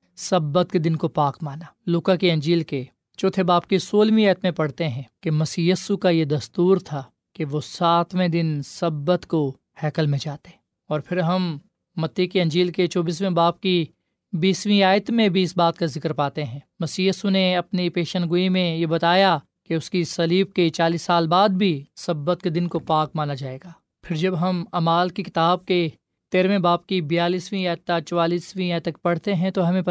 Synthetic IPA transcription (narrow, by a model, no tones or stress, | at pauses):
sɐbːət̪̚ked̪ɪnkopaːkmaːnaːluːkakiɐ̃nd͡ʒiːlke | t͡ʃoːt̪ʰebaːb̚kisoːlmĩaːjət̪mẽpɐɽ̤t̪eɦɛ̃ːkemɐsiːjiːsukajed̪ɐst̪uːɾt̪ʰaː | keʋosaːt̪ʰmẽd̪ɪnsɐbːət̪ko | hɛːkəlmẽd͡ʒaːt̪eɦɛ̃ː | ɔːɾpʰɪɾɦɐmː | ɐt̪ːikiɐ̃ɲd͡ʒiːlket͡ʃoːbiːs̬mẽbaːp̚ki | biːsʋĩaːjət̪mẽbʱiɪsbaːt̪kazɪkəɾpaːt̪eɦɛ̃ːmɐsijəsuneɐpnipeːʃənɡʊimẽjebɐt̪aːja | keʊskisɐliːb̚ket͡ʃaːliːsːaːlbaːd̪̚bʱisɐbːət̪̚ked̪ɪnkopaːk̚maːnad͡ʒaːeːɡaː | pʰɪɾd͡ʒɐbɦɐmaːmaːlkikɪt̪aːb̚ke | t̪eːɾʋẽbaːp̚kibɪjaːliːsʋĩaːjt̪ːat͡ʃɔwaːliːsʋĩaːjt̪ɐkpɐɽ̤t̪eɦɛ̃t̪oɦɐmẽ